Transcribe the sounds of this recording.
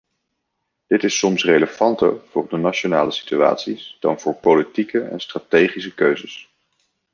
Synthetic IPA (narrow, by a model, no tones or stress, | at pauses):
d̥ɪtɪsɔmsrejləv̥ɑntə̰ɹvʊ̰ːrdənat͡ʃona̰ːləsi̥tya̰ːtsisd̥ɑ̰nv̥ʊːɹpolitikəɛ̰nstraːtejχisəkøɥzəs